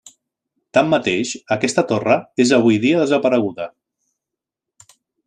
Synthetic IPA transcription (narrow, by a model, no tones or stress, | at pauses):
t̪amːət̪eʃəkɛst̪ət̪orəezəβ̞ujðiəðəzəpəɾəɣuðə